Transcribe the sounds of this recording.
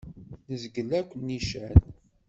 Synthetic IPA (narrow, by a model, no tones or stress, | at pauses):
nəzɡəlːækʷːənːiʃæn